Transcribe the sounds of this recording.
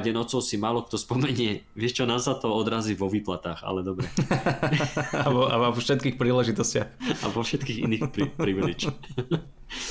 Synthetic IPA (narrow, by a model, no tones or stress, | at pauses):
ɟɛnɔt͡sɔʊsimaːlɔk̚t̪ɔspɔmɛɲɪɛʋɪɛʃt͡ʃɔnaːsat̪ɔɔd̪ɾaːziːʋɔʋiːplat̪aːxa̰lɛd̪ɔbɾɛ | abɔabaɔfʃɛt̪̚kiːxpɾiːlɛʒit̪ɔscɪaxa̰ʋɔfʃɛt̪kiːɣḭniːxpɾipɾiːʋlit͡ʃ